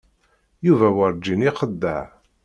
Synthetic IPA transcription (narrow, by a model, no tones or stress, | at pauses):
juvæwəɾd͡ʒːiniqəd̪ːəʕ